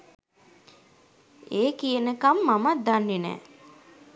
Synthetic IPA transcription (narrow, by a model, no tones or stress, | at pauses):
eːkijənəkamːamad̪anːenɛ̰ː